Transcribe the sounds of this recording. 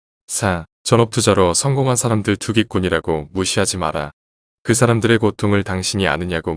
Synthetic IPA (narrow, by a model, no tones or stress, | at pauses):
sʰa | t͡ɕʌnʌp̚tʰud͡ʑaɾosʰʌŋɡoŋɦansʰaɾamdɯɭtuɡik͈uɲiɾaɡomuɕʰiɦad͡ʑima̰ɾa | kɯsʰaɾamdɯɾe̞kotʰoŋɯɭtaŋɕʰiɲia̰nɯɲaɡo